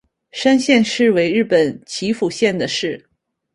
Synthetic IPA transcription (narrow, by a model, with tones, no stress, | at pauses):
ʂa˥nɕjɛ˥˧nʂɻ̩˥˩we˧˥ɪɻɻ̩˥˩pə˨˩nt͡ɕʰi˧˥fu˨˩ɕjɛ˥˩nd̪ə˩ʂɻ̩˥˩